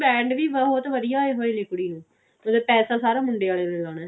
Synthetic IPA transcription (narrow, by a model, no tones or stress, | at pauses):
bɛ̃ːɳɖʋiːbəɦʊt̪ʋəd̪ɪjaːeːɦoːeːnɪkɽiːnũː | mət̪ləbpɛːsaːsaːɾaːmʊɳɖeːaːleːnɪlãːnaː